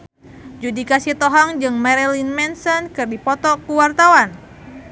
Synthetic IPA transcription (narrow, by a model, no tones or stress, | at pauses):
d͡ʒudikasit̪ɔɦaŋd͡ʒɨŋmɛɾɛlinmɛnsɔnkɨrdipɔt̪ɔkuwart̪awan